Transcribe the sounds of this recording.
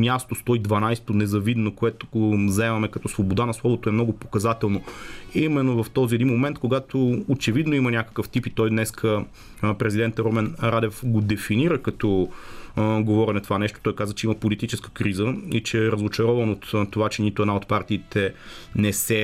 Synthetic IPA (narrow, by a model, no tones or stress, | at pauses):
mʲjast̪ost̪ɔid̪vɐnajst̪onɛzɐvid̪nokoɛt̪o̥ɡozɐɛmɐmɛkɐt̪ɔsvobod̪anɐslˠɔvot̪oɛmnɔɡʊpokɐzat̪ɛlˠnoimɛnːovɐft̪ɔziɛd̪inmomɛnt̪̚koɡat̪oːt͡ʃɛvid̪noimənʲakə̥kəft̪ipit̪ɔjd̪nɛskʰə | pɾɛzid̪ɛnt̪ɾɔmɛnɾad̪ɛfɡod̪ɛfiniɾəkɐt̪ɔ | ɡovɔɾinɐt̪ovanɛʃt̪o̥t̪ɔjkazvət͡ʃɛimɐpolit̪it͡ʃɛskə̥kɾizəit͡ʃɛɾɐzot͡ʃɐɾɔvɐnot̪t̪ːovat͡ʃɛnit̪ʊɛd̪aot̪paɾt̪iːt̪ʰɛnɛsɛ